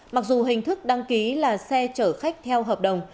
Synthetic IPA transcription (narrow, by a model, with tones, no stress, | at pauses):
ma˨˩k̚zu˨˩ɦï˨˩ŋ̟t̪ʰɨ˦˥k̚ɗa˧ŋki˨˦laː˨˩sɛ˧t͡ɕəː˧˩xa˦˥jk̟̚t̪ʰɛ˧wɦəː˨˩p̚ɗə˨˩wŋ͡m